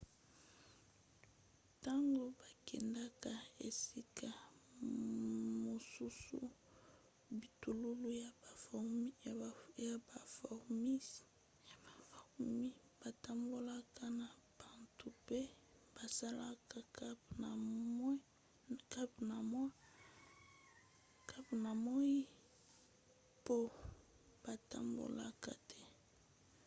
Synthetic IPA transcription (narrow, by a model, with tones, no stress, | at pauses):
ta˦ŋɡo˦ba˨kɛ̰˨nda˦ka˨ḛ˨si˦kʰa˨ | mo˨su˦sṵ˦ | bi˨tu˨lu˦lu˦ja˨˦ja˨ba˨fɔ˨mi˦˨ | fmi˦ | b̥a˨ta˨mbo˦la˦ka˦na˨ | b̥a˨ntu˨pe˦ | b̥a˨sa˦la˦ka˦ka˦˨˦ | ka˦bna˨ma˦ | ka˦bna˨mo˦i˦ | po˦ | b̥a˨ta̰˨mbo̰˨la̰˦ka̰˨tʰɛ˦